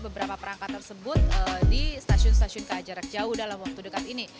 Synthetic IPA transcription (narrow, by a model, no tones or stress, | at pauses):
bəbəɾapapəɾaŋkat̪ːərsəbʊt̪ədist̪asiʊns̬t̪asiʊnkəːd͡ʒaɾak̚d͡ʒaʊhdalamwak̚t̪udəkat̪ini